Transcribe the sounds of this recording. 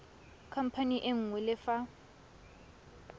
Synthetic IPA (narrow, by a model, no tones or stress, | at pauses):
kʰam̩pʰaniʔeŋ̩wɛlɪfa